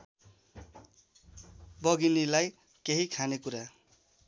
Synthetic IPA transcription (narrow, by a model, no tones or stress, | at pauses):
bʌɡinilaj | keɦikʰanekuɾa